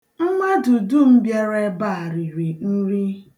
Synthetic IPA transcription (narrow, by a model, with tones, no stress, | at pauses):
ŋ͡m̩˦ŋʷa˦du˨du˦m̩˦bje˦ɾe˦ba˦˨a˨ɾi˨ɾi˨n̩˦ɾi˦